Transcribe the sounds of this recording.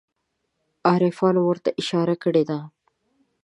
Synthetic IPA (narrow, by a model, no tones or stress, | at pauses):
aːɾefaːnwoɾt̪ɐʔɪʃaːɾakəɽeːd̪aː